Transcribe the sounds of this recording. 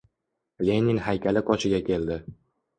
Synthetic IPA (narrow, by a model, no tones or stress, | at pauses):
le̞nʲiŋhajkʲalɪqʰɒt͡ʃʰɪɡʲakʲʰe̞ld̪ɪ